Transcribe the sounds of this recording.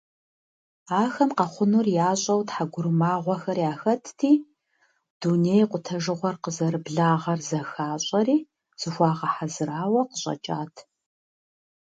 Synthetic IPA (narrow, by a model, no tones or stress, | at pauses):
aːxɐmqɐχʷʊnurjaːɕʼɐwtħaɡʷʊrmaːʁʷɔxɐrjaːxɐtʰtʰiː | d̥unejqʷʊtʰɐʒɨʁʷɔrqəzɐɾɨbɮaːʁɐrzɐxaːɕʼɐɾiː | z̥ɨxʷɑːʁɐħazɨɾaːwɐqəɕʼɐ̰t͡ʃʼa̰ːtʰ